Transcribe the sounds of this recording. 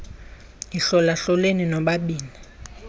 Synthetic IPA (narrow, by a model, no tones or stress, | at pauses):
jiɬɔlaɬɔleninɔɓaɓiːni